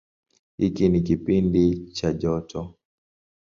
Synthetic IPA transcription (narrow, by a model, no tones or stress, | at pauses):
hikinik̬ipindit͡ʃaʄɔtʰɔ